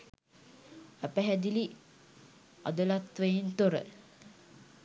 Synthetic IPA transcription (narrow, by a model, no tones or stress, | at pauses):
æpæɦæd̪ili | ɑ̰d̪əlat̪ʋəjent̪oɾə̰